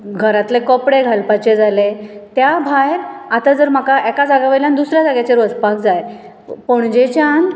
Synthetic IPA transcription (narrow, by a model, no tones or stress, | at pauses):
ɡʱəɾat̪lekɔpɽeɡʱalpat͡ɕed͡zalet̪jabʱajat̪ad͡zəɾm̤akaʔɛkad͡zaɡaʋəjljand̪usɾjad͡zaɡjat͡ɕeɾʋəd͡zpak̚d͡zaj | poɳ̃d͡ʑet͡ɕjan